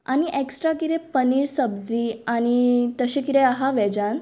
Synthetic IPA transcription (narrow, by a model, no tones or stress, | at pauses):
añiʔeksʈɾakiɾepəniːɾsəbd͡ziañit̪əɕekiɾeaɦaʋɛd͡ʑan